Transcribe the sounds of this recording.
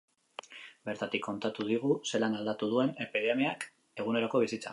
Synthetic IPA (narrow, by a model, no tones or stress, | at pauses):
be̞ɾt̪at̪ikːo̞nt̪at̪uð̞iɣ̞use̞lanald̪at̪uð̞ue̞ne̞piðemeak | e̞ɣ̞une̞ɾo̞ko̞β̞isit͡sa̰